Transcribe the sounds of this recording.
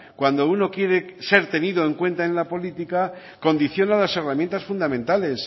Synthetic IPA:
kwand̪o̞uno̞kje̞ɾe̞se̞ɾt̪e̞niðoeŋkwe̞nt̪aenlapo̞lit̪ika | ko̞nd̪iθjo̞nalaseramje̞nt̪asfund̪amẽ̞nt̪ale̞s

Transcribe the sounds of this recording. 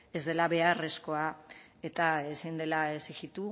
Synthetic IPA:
ezðe̞laβe̞are̞sko̞a | e̞t̪aesind̪e̞laeseɣit̪u

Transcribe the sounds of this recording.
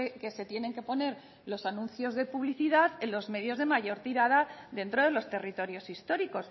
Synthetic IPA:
ke̞se̞t̪je̞nẽ̞ŋke̞po̞ne̞ɾ | lo̞sanũnθjo̞zðe̞puβliθiðaðe̞nlo̞zme̞ðjo̞zðe̞maʝo̞ɾt̪iɾaðaðe̞nt̪ɾo̞ð̞e̞lo̞st̪e̞rit̪o̞ɾjo̞sist̪o̞ɾiko̞s

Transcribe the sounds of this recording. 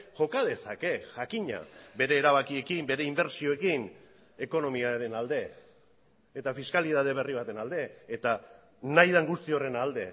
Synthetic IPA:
ʝo̞kað̞e̞sake̞ʝakiɲa̰be̞ɾe̞ːɾaβ̞akie̞kimbe̞ɾe̞imbe̞ɾsio̞e̞kin | e̞ko̞no̞miaɾe̞nald̪e̞ | t̪afiskaliðað̞e̞β̞e̞riβ̞at̪e̞nald̪e̞ːt̪a | najðaŋɡust̪io̞re̞nald̪e̞̰

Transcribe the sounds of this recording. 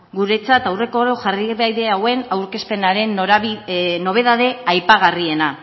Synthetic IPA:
ɡuɾe̞t͡sat̪awre̞ko̞ɾoʝariβajðe̞awe̞nawɾke̞spe̞naɾe̞n | no̞β̞e̞ðaðe̞ajpaɣ̞arie̞na

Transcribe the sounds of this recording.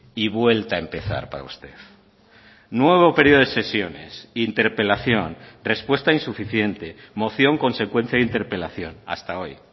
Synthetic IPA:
iβwe̞lt̪aempe̞θa̰ɾpa̰ɾa̰ṵst̪e̞̰θ | nwe̞β̞o̞pe̞ɾioese̞sjo̞ne̞̰sint̪e̞ɾpe̞laθjo̞nre̞spwe̞st̪ainsufiθje̞nt̪emo̞θjo̞ŋko̞nse̞kwe̞n̟θjaðint̪e̞ɾpe̞laθjo̞na̰st̪ao̞j

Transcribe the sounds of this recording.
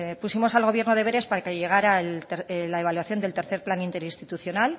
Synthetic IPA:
pusimo̞salɣo̞β̞je̞ɾno̞ð̞e̞βe̞ɾe̞spaɾakeʝe̞ɣ̞aɾaelt̪eɾlae̞β̞alwaθjo̞nd̪elt̪e̞ɾθe̞ɾplanint̪e̞ɾinst̪it̪uθjo̞nal

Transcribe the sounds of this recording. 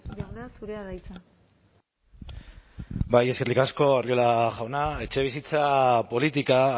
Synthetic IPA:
deneasuɾeaðajt͡sa | baje̞skerikasko̞ariolaʝawnae̞t͡ʃe̞β̞isit͡sapo̞lit̪ika

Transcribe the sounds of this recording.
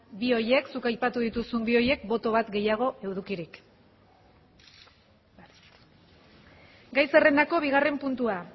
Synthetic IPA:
bio̞je̞ksukajpat̪uðit̪usumbio̞je̞k̚bo̞t̪o̞β̞at̪ɡe̞jaɣ̞o̞ʔe̞wð̞ukiɾik | ɡajse̞re̞nd̪ako̞β̞iɣ̞are̞mpunt̪ua

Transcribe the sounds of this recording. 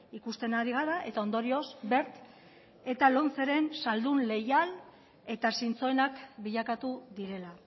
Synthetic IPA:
ikust̪e̞naɾiɣ̞aɾaʔe̞t̪ao̞nd̪o̞ɾio̞zbe̞ɾt̪ | e̞t̪alo̞nt͡se̞ɾe̞nsald̪unle̞jal | e̞t̪asint͡so̞enakbiʎakat̪uðiɾe̞la

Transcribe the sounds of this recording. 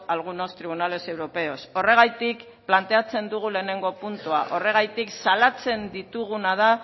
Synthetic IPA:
alɣ̞uno̞st̪ɾiβ̞unale̞se̞wɾo̞pe̞o̞so̞re̞ɣajt̪ik | plant̪e̞at͡se̞nd̪uɣ̞ule̞ːne̞ŋɡo̞punt̪uaʔo̞re̞ɣ̞ajt̪iksalat͡se̞nd̪it̪uɣ̞unað̞a

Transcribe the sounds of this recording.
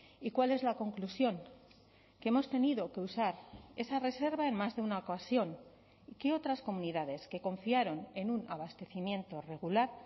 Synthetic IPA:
ikwale̞zlako̞ŋklusjo̞ŋ | keemo̞st̪e̞niðo̞ke̞usaɾe̞sare̞se̞ɾβae̞nmazðe̞unaokasjo̞n | ike̞o̞t̪ɾasko̞muniðað̞e̞ske̞ko̞ɱfiaɾo̞ne̞nunaβast̪e̞θimjẽ̞nt̪o̞re̞ɣ̞ulaɾ

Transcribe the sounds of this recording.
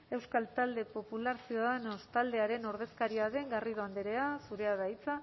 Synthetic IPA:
e̞wskalt̪ald̪e̞po̞pulaɾsiuðaðenost̪ald̪e̞aɾe̞no̞ɾð̞e̞skaɾiaðe̞ŋɡariðo̞and̪eɾe̞asuɾe̞aðajt͡sa

